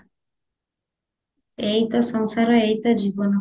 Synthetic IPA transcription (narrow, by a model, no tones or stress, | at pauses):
ejt̪ɔsɔŋsaɾɔejt̪ɔd͡ʑibɔnɔ